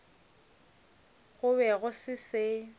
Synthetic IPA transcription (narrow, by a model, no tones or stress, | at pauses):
ɣʊβɛɣʊsɪsɪ